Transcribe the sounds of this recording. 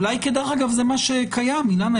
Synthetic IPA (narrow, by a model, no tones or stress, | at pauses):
lajked̪eχaɡavzemaʃekʰajamilana